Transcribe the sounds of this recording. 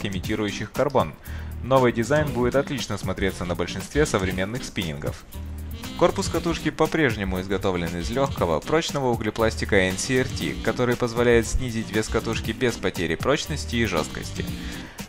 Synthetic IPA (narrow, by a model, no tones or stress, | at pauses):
ɪmʲɪtʲiɾʊjʉɕːɪxkɐrbo̞nːo̞vɨjdʲɪzajnbudʲɪt̪ɐt̪lʲit͡ɕnəsmɐt̪ɾʲet̪sːənəbəlʲʂɨnst̪vʲesəvɾʲɪmʲe̞nːɨxspʲinʲɪ̰nɡə̰f | ko̞rpʊskɐt̪uʂkʲɪpɐpɾʲe̞ʐnʲɪmʊɪzɡɐt̪o̞vlʲɪnɪzlʲo̞xkəvə̰pɾo̞t͡ɕnəvəʊɡlʲɪplˠasʲtʲɪkəɛnsʲiɛrtʲḭkɐt̪o̞ɾɨjpəzvɐlʲæjɪt̪sʲnʲizʲɪtʲvʲeskɐt̪uʂkʲɪbʲespɐtʲeɾʲɪpɾo̞t͡ɕnəsʲtʲɪːʐo̞̰st̪̚kə̰sʲtʲɪ̰